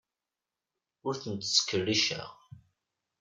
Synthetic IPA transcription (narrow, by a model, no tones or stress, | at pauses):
ʊɾθənt̪sːə̥kːərːiʃæ̰ʁ